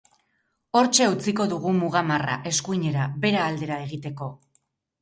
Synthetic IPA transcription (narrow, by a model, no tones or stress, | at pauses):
o̞ɾt͡ʃe̞ut͡siko̞ðuɣ̞umuɣamara̰ʔe̞skujɲe̞ɾaβe̞ɾaːld̪e̞ɾae̞ɣit̪e̞ko̞